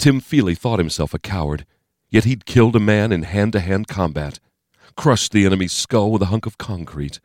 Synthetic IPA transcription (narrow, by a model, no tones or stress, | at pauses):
tʰɪ̃ɱfilˠiθɔt̚hɨ̃m̩sɛlˠfəkʰaʊə̰˞d | jɛt̚hid̚kʰɪlˠdəmæ̃nɨ̃nhæ̃ntɨɦæ̃n̚kʰɑ̃mbæ̰t̚ | kʰɹ̥ʌʃðiɛnɨmiz̥skolˠwəðəɦʌ̃ŋkʌv̥kʰɑ̃ŋkʰɹ̥it̚